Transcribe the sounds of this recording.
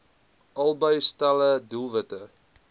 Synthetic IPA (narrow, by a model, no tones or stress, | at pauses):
ʔɐlˠbəjstalədulˠvətə